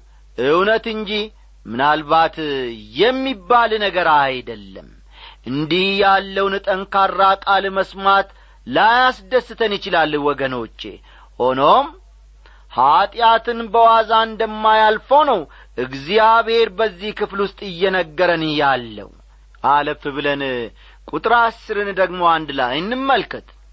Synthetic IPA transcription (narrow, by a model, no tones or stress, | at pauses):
ʔɨwnət̪ɨnd͡ʒih | mɨnalβat̪jɛmːibːalnəɡəɾajd̪əlːə̰m | ʔɨnd̪ihjalːəwnɨt̪ʼəŋkarːakʼalməsmat̪ | lajasd̪əsːɨt̪ʰənjɪt͡ʃɪlalːwɔɡəno̞t͡ʃːe̞̰ | ho̞no̞m | hat̪ʼjat̪ɨnbəwazaɨnd̪əmːajalfownəw | ʔɨɡzijaβhe̞ɾbəzːihkɨflwʊst̪ʼɨjːɛnəɡːəɾənhjalːə̰w | ʔaləfɨβɨlən | kʼut̪ʼɾasːɨɾɨnd̪əɡmo̞and̪ɨlajɨnːɨmːəlkɨt̪